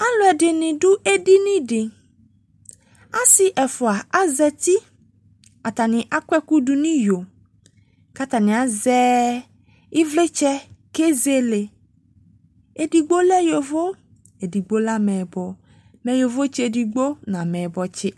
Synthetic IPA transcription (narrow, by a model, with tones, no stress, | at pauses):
a˦lɔ˦ɛ˨ɖɪ˨nɪ̃˨ɖʊ˦ʔe˦di˦nĩ˦ɖɪ˨ | a˦sɪ˦ʔɛ˨fɔ˨a˨a˦zɛ˨t̪i˦ | a˨t̪a˨nɪ̃˨ʔa˦kʷɛ˦ku˦du˨nĩ˦jo˨ | ka˦t̪a˨nĩ˨a˨zɛ˦ | i˦vle˦t͡ʃɛ˦ke˦ze˦le˨ | e˨di˨ɡ͡bo˦lɛ˦jo˨vo˦ | e˨di˨ɡ͡bo˦la˦mɛ̃˨bɔ˨ | mɛ˨jo˨vo˦t͡ʃi˦e˨di˨ɡ͡bo˦nã˨mɛ̃˨bɔ˨t͡ʃɪ˦